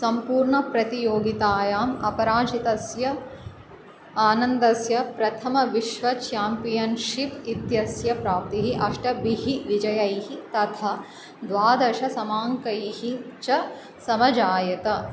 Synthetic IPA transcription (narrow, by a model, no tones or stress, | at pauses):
sɐmpuːɾɳɐpɾɐt̪ijoːɡit̪aːjaːmɐpɐɾaːʃit̪ɐsjɐ | aːnɐnd̪ɐsjɐpɾɐt̪ʰɐmɐʋiʃʋɐt͡ʃjaːmpijɐnʃipit̪jɐsjɐpɾaːp̚t̪iɦiʔɐʃʈɐbiɦiʋid͡ʒɐjɐjhit̪ɐt̪ʰɐ | d̪ʋaːd̪ɐʃɐsɐmaːŋkɐjihit͡ʃɐ | sɐmɐd͡ʒaːjɐt̪ɐ